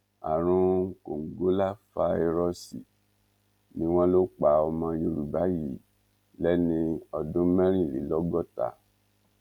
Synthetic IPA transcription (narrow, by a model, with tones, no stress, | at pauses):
a̰˨ɾ̃ũ˦ŋ̩˦ko˨ŋ̩˨ɡo˦la˦fa˧˦i˧ɾɔ˧si˨ | nĩ˨˦w̃ɔ̃˦lo˦k͡pa˨˦ɔ˧mã˧jo˧˦ɾu˨ba˨˦ji˦˨ | lɛ˦nĩ˧ɔ˧dũ˦mɛ̃˦ɾ̃ĩ˦˨lḭ˨˦lɔ˦ɡɔ˦˨ta̰˨